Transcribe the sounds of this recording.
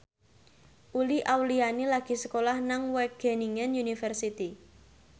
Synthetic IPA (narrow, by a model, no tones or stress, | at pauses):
ʔuliʔawlianilaɡ̥i̤səkolahnaŋwɛɡ̥e̤niŋənjunifərsit̪i